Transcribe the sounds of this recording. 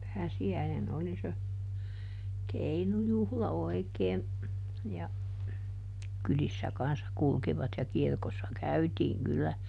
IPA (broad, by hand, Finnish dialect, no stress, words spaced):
pæːsiæinen oli se keinujuhlɑ oi̯keː jɑ kylisːæ kɑnsːɑ kulkiʋɑt jɑ kirkosːɑ kæytiːŋ kylːæ